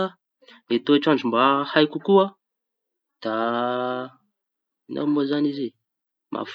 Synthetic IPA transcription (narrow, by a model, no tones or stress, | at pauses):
met̪oʈ͡ʂaɳɖ͡ʐumbahajkukua | d̪̥a | ina̰mozanizi | mʔa̰f